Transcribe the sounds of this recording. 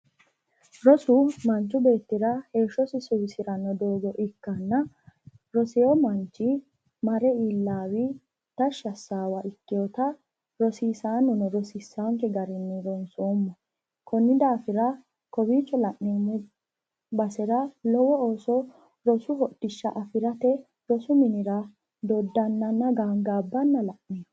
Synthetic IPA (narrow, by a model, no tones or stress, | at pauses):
ɾɔsʊmɐnt͡ʃːʊbe̞ːt̪ːɪɾɐhe̞ːʃːɔsɪsʊːsɪɾɐnɔd̪oːɡɔʔɪkːɐnːɐ | ɾɔsɛjɔmɐnt͡ʃːɪ | mɐɾɛiːlːaːwɪ | t̪ɐʃɐsːaːwɐɪkːɪjɔt̪ɐ | ɾɔsiːsaːnːɔnɔɾɔsisːaŋkɛɡɐɾɪnːɪɾɔnsoːmːɔ | kɔnːɪd̪aːfɪɾɐ | kɔbiːt͡ʃːɔlɐʔnɛ | bɐsɛɾɐlɔwɔoːsɔ | ɾɔsʊɦɔdɪʃːɐ̰ʔɐfɪɾɐt̪ɛ | ɾɔsʊmɪnɪɾɐ | d̪ɔd̪ːɐnːɐnːɐɡaːŋɡaːbːɐnːɐlɐʔnɛ